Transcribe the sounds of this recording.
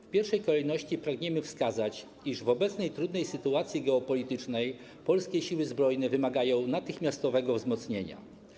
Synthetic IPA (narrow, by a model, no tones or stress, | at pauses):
fpʲjɛɾfʂɛjkɔlɛjnɔɕt͡ɕipɾaɡɲɛmɘfskazat͡ɕ | iʐvɔbɛt̪snɛjt̪ɾud̪nɛjsɘt̪uat̪sʲjiɡɛɔpɔlʲit̪ɘt͡ʂnɛj | pɔlskʲeɕiwɘzbɾɔjnɛvɘmaɡajɔ̃w̃nat̪ɘxmʲjast̪ɔvɛɡɔvzmɔt̪sɲeɲa̰